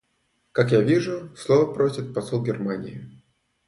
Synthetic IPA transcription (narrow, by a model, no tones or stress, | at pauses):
kakjavʲiʐʊslˠovəpɾosʲɪt̪̚pɐsolˠɡʲɪrmanʲɪ̰jɪ